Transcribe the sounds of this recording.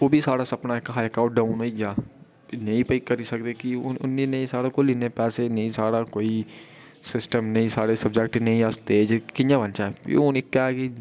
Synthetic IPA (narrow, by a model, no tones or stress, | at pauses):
oːbʱisaːɽasɐpnaekaɦaːjkaːʊʈɖaːʊnɦoiɡjaː | nɐĩpɐikɐɾisɐk̚d̪ekiʊ̰nːinɐĩsaːɽakolɪnepɛːsenɐĩsaːɽakoːi | sɪsʈəmnɐĩsaːɽesɐbd͡ʒɛk̚ʈnɐĩast̪eːd͡ʒkɪnjabɐnt͡ʃaːḛonikɛːki